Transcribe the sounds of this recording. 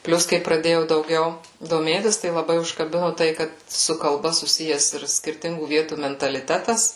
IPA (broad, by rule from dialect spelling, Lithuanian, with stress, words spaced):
ˈpʲlʲʊs kɐɪ prɐˈdʲeːjɛʊ dɐʊˈɡʲɛʊ doːˈmʲeːtʲɪs tɐɪ lˠɐˈbɐɪ ʊʃkɐˈbʲɪnʊ ˈtɐɪ ˈkɐt sʊ kɐlˠˈbɐ sʊˈsʲɪjɛs ɪr sʲkʲɪrʲˈtʲɪŋɡuː ˈʋʲiɛtuː mʲɛntɐlʲɪˈtʲæːtɐs